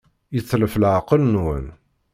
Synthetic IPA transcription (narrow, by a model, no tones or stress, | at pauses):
jəθːləfəlʕqəlnwən